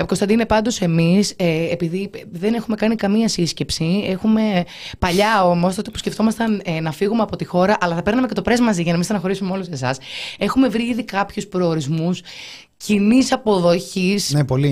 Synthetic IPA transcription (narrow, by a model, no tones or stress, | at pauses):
kost̪ɐnd̪inepɐnd̪o̞se̞miseepiðiðe̞ne̞xume̞kɐnikɐmiɐsisce̞psie̞xume̞ | pɐʎɐo̞most̪ot̪ipu̥sceft̪o̞mɐst̪ɐnnɐfiɣumeɐpo̞t̪ixo̞ɾɐʔɐlɐθɐpe̞ɾnɐmece̞t̪o̞pɾe̞zmɐziʝɐnɐmist̪ɐnɐxo̞ɾisumeo̞luse̞sɐ̰se̞xume̞vɾiiðikɐpçuspɾo̞ːɾizmus | cinisɐpo̞ðo̞çisnepoli